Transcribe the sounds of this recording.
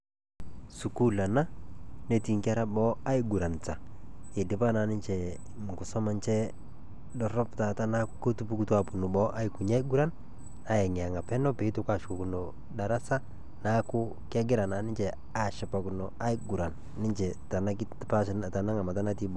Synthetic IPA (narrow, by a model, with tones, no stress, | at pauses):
su˨ku˦la˨na˦ne˦ti˨ŋka˦ɾa˦bɔ˦a˦ɪ˦ɡu˨ɾa˨nta˨ɪ˨dɪ˨˦pa˦na˨nɪ˦nt͡ʃɛ˨ | kʊ˨sɔ˦ma˦nt͡ʃɛ˦ | dɔ˨rɔ˦pta˨ta˦na˦ko˦tu˦pu˦ku˦twa˨pu˨nu˨bɔ˦ʔa˦ɪ˦ku˨ɲa˦i˦ɡu˦ɾa˦n | a˨jɛ˨ŋɪ˨a˨ŋa˨pɛ˦nɔ˦pe˨˦i˦tu˦ka˦˨ʃku˨ku˨no˨ | da˨ɾa˦sa˦ | na˦kʊ˦ | ka˦ɡɪ˦ɾa˨na˨nɪ˦nt͡ʃɛ˨ | a˨ʃɪ˨pa˨kʊ˨nɔ˨a˦ɪ˦ɡu˨ɾa˨n | nɪ˦ɲt͡ʃɛ˨ta˨na˦k | pa˦ʃta˨na˦ŋa˨ma˨ta˦na˦ti˦bɔ˦